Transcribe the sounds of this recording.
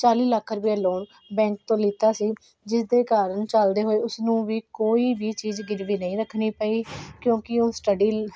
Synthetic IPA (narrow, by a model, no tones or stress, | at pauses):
t͡ʃaːliːləkʰːɾʊpjaːloːɳ | bɛ̃ːŋk̚t̪õːliːt̪aːsiː | d͡ʒɪsd̪eːkaːɾəɳt͡ʃəld̪eːɦoːeːʊsnũːʋiːkoːiːbiːt͡ʃiːzɡɪɾʋiːnəĩːɾəkʰːɳiːpəiːkjõːkɪoːsʈəɖiː